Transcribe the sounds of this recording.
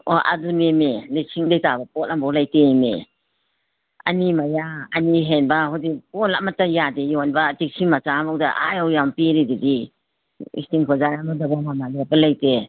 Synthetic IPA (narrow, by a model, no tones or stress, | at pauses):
ɔ̰ʔa̰dunemelesʰiŋdejtabapɔt̚lambɔlajtemḛ | a̰nimajaaniɦenbahɔdipɔlamatajadejɔnbaːtik̚sʰimat͡ʃamɔk̚daʔa̰jɔwjampiɾididi | ḭstiŋkʰɔzajamɔdaɡamamadiapalajte